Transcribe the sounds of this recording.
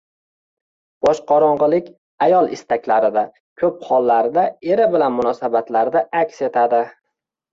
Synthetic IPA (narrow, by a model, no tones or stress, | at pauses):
b̥ɒʃqʰɒɾɒɴʁɨlˠɪkʲ | ajɒlˠɪst̪akʲlaɾɪd̪a | kʲʰɵp̚qʰɒlˠːaɾɪd̪aeɾɪbɪlanmʊnɒsabat̪laɾd̪aʔakʲse̞t̪ʰad̪ɪ